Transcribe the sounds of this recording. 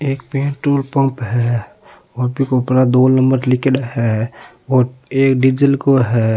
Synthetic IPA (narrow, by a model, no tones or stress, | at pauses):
eːk̚peːɳʈɾoːlpə̃mpɦɛ | oːɾbʱikopɾad̪oːnə̃mbəɾlɪkeɖɦɛ | oːɾeːkɖid͡ʒəlkoɦɛ